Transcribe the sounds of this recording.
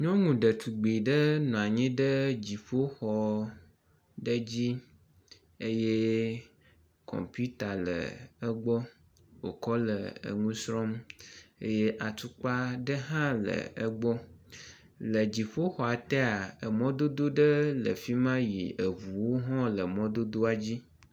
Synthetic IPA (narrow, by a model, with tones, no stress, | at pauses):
ɲɔ̃˦ŋũ˨ɖə˨t̪ʰu˨ɡ͡bi˨ɖə˦nũ˨a˨ɲĩ˦ɖə˦d͡ʑi˨ɸo˦xɔ˨ | ɖə˦d͡ʑi˦ | e˦je˦ | kʰɔ̰˨mpu˦t̪a˨lə̰˨ə˦ɡ͡bɔ˦ | wo̰˨kɔ˦lə˨ə̰˨ŋũ˦sɾɔ˦mḛ˦je˦ʔa˨t̪u˦k͡pa˦ɖə˦ɦã˦lə̰˨ə˦ɡ͡bɔ˦ | lə˨d͡ʑi˨ɸo˦xɔ˨a˨t̪ɛ˦a˨ə˨mɔ̃˦d̪o˦d̪o˦ɖə˦lə̰˨fi˦mã˦jḭ˨ə˨vu˨wo˦ɦɔ̃˦lə˨mɔ̃˦d̪o˦d̪o˦a˨d͡ʑi˦